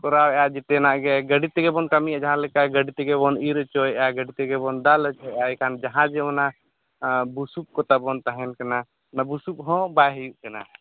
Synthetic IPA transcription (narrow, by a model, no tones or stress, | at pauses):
kɔɾawɛjad͡ʒɛt̪ɛnaʔɡɛɡəɖit̪ɛɡɛbɔnkəmijad͡ʒaɦãlɛkaɡəɖit̪ɛɡɛbɔniɾt͡ʃɔjaɡəɖit̪ɛɡɛbɔnd̪alət͡ʃɔjaɛkʰand͡ʒaɦãd͡ʒɛɔna | busup̚kɔt̪abɔnt̪aɦɛ̃nkana | nabusup̚ɦɔ̃bajɦɛjuʔkana̰